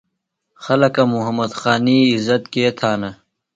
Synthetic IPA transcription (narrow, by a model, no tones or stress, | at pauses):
xɐlɐkɐmuɦɐmɐd̪xaːniːzɐt̪keːt̪ʰaːnɐ